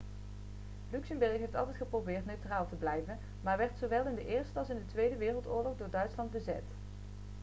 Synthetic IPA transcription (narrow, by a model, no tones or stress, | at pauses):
lyksəmbɛɹxɦejftɑlˠtɛjtχəprowbɪːɹtnøɥtraːlˠtəblɛjvən | maːɹʋɛɹtsowʋɛlˠɪndəʔɪːɹstəɑlˠsɪndətʋejdəʋɪːrəlˠtʊːɹlɔχdʊːɹdœɥtslɑnd̚bəzɛ̰t